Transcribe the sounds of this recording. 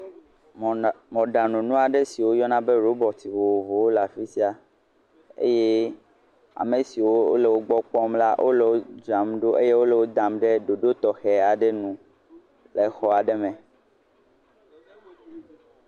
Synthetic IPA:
mɔ̃˨ɖa˨nũ˨nũ˦a˨ɖe˦si˨wo˦jɔ˦nã˦be˦ɾo˦bɔ˨t̪i˨wo˨wo˨vo˨wo˦la˨fi˦si˦a˦ | ḛ˦je˦ | a̰˨me˨si˨wo˦o˦le˨wo˦ɡ͡bɔ˦k͡pɔ˦mla˦ʔo̰˦le˨wo˦d͡ʒa˨mɖo˦ʔe˦je˦wo˦le˨wo˦d̪a˨mɖe˦ɖo˨ɖo˦t̪ɔ˨xɛ˨a˨ɖe˦nũ˨ | le˨xɔ˦a˨ɖe˦mɛ̃˨

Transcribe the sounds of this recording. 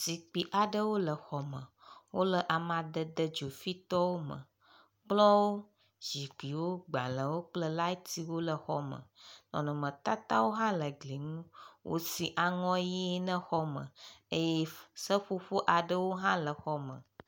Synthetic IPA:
si˨k͡pi˨ʔa˨ɖə˦wo˦lə˨xɔ˨mə˨ | wo˦lə˦ʔa˨mã˨d̪ə˨d̪ə˦d͡ʒo˨fi˦t̪ɔ˦wo˦mə̰̃˨ | k͡plɔ˦wo˦ | d͡ʒi˨k͡pi˨wo˦ɡ͡ba̰˨lə˨wo˦k͡plə˦la˦t̪i˦wo˦lə˨xɔ˦mə̰̃˨nɔ̰̃˨nɔ̃˨mə̃˨t̪a˦t̪a˦wo˦ɦã˦lə˨ɡli˨ŋũ˦wʔo̰˦si˨ʔa˨ŋɔ̃˦ji˦nə̃˦xɔ˦mə̰̃˨e˦jɛ˦sə˦ɸo˦ɸo˦ʔa˨ɖə˦wo˦ɦã˦lə˨xɔ˦mə̰̃˨

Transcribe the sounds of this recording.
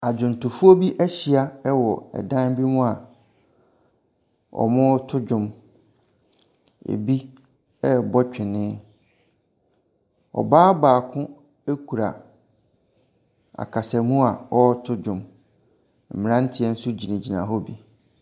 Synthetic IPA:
a˨d͡ʑᶣʊ̃˨n˨tʰʊ˨fu˦o˦bi˦ʔɛ˦ɕi˨a˦ɛ˦wɔ˨ɛ̰˨dã˦n˦bi˦mũ˦a˨ | ɔ̰˨mʊ̃˦tʰʊ˦d͡ʑᶣʊ̃˨m | ḛ˨bi˦ | ɛ˦˨bɔ˦t͡ɕᶣɪ˨nɪ̃˦ | ɔ̰˨baː˦baː˨kʰʊ̃˦ | e˦kʰu˨ɾa˨ | a̰˨kʰa˨sɛ˨mũ˦a˨ɔ˦tʰʊ˦d͡ʑᶣʊ̃˨m | m̩˨mɪ̃˨ã˦n̩˦tʰɪ˨ɛ˦n̩˦sʊ˦d͡ʑi˨nĩ˨d͡ʑi˨nã̰˨ɦɔ˦bi˨

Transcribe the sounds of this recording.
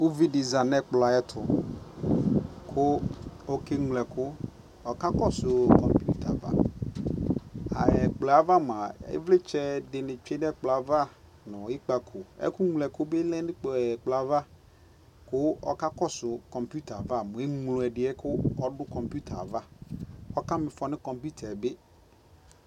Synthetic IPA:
u˦vi˦dɪ˨za˨nɛ˦k͡pla˨ɛ˦tʰʊ˨ | kʰʊ˦o˨ke˦ŋlɛ˨kʰʊ˦ | ɔ˨ka˦kɔ˦sʊ˨kɔ˨mpju˦tʰa̰˨va̰˦ | a˨ɛ˨k͡pla˨va˦m˨a˨ɪ̰˦vlɪ˦t͡ʃɛ˦dɪ˨nɪ̃˨t͡ʃᶣe˦n˦ɛ˦k͡pla˨va˦ | nɔ̃˨ɪ˦k͡pa˨kʰʊ˨ɛ̰˦kʊ˦ŋ˨lɛ˨kʊ˦bɪ˦lɛ̃˦nɪ̃˦k͡pk͡pla˨va˦ | kʊ˦ɔ̰˨ka˦kɔ˦sʊ˨kɔ̃˨mpu˦ta˨va˦˨mʊ̃˨ɪ˦ŋlʊ̃˨ɛ˨dɪ˨ɛ˦kʰʊ˦ɔ˦dʊ˦kɔ̃˨mpu˦tʰa˨va˦ɔ˦ka˦mɪ̃˨fɔ˨nɪ̃˦kɔ̃˨mpu˦tʰɛ˨bɪ˦

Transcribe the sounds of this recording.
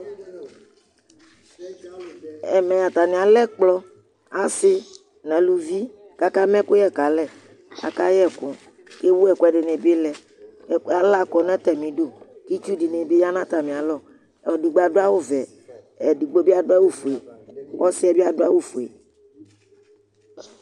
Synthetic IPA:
ɛ̰˨mɛ̃˨a˨t̪a˨nĩ˨a˨lɛ˦k͡plɔ˦ | a˨˦sɪ˦ | nɛ̃˨lu˦vi˦ | ka˦ka˦mɛ̃˦ko˦jɛ˦˨ka˨lɛ˨ | ka̰˨ka˦jɛ˦˨kɔ˨ | ke˦wu˦ɛ˨ku˨˦ɛ˨ɖe˨ne˨be˦lɛ˨˦ | a˨la˦kɔ˨nɛ̃˦t̪ɛ˨mĩ˨ɖo˦ki˦t͡ʃu˦di˨nẽ˨be˦ja˦nã˦t̪a˨mĩ˨a˨lɔ˦˨ | di˨ɡ͡ba˨ɖo˦a˦wo˦vɛ˨ | ɛ˨du˨ɡ͡bo˦bi˦a˨do˦a˦wo˦fu˨e˨kɔ˦si˦ɛ˦bi˦a˨do˦a˦wo˦fu˨ḛ˨

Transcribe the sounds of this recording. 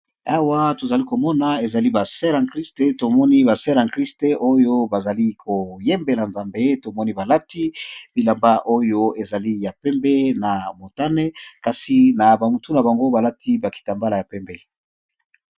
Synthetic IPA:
a˦wa˦to˨za˨li˦ko˨mɔ˦na˨e˨za˨li˦ba˨sɛ˦ʁã˨kʁi˦ste˦to˨mɔ˦ni˦ba˨sɛ˦ʁã˨kʁi˦ste˦ʔo˦jo˦ba˨za˨li˦kʰo˨jɛ˦mbe˨la˨nza˨mbe˦to˨mɔ˦ni˦ba˨la˦ti˦bi˨la˨mba˦ʔo˦jo˦e˨za˨li˦ja˨pɛ˦mbɛ˦na˨mo˨ta˦ne˦ka˨si˨na˨ba˨mu˨tu˦na˨ba˨ŋɡo˦ba˨la˦tʰi˦ba˨ki̥˨ta˨mba˦la˨ja˨pɛ˦mbɛ˦

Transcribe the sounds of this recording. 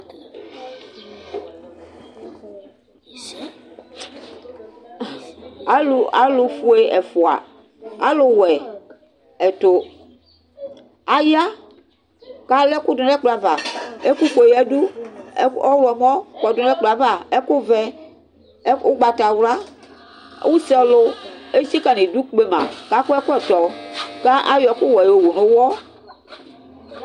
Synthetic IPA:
a˦lu˨a̰˦lu˨fu˦e˦ɛ˨fu˨a̰˨ | a̰˦lo˨wɛ˨ | ɛ˨t̪o˨ | a˨ja˦ | ka˨le˦ku˦du˨lɛ˦k͡pla˨va˨e˦ku˦ko˨jɛ˦du˦ | ɔ˦wɛ˨m˦ɔ̃˦kɔ˨du˨˦ɛ˦k͡pla˨va˨e˦ku˦vɛ˦ | o˦ɡ͡ba˨t̪a˨wla̰˦ | wu˦si˦ɔ˨lo˦e˦si˦ka˨nĩ˨du˦k͡pe˦mã̰˨ka˦ku˦ɛ˦ku˦ɛ˨t̪ɔ˨ka˦ʔa˦jɔ˨˦ku˦wɛ˨jo˨wo˨nõ˨wɔ˦

